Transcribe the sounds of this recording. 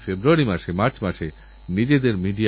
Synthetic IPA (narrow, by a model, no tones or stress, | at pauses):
febɾuaɾimaʃemaɾt͡ɕmaʃe | nid͡ʑed̪eɾmiɖi